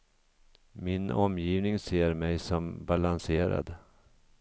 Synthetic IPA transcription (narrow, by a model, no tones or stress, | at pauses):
mɪnɔmjiːvnɪŋseːɾmɛjsɔmbalanseːɾa̰d̪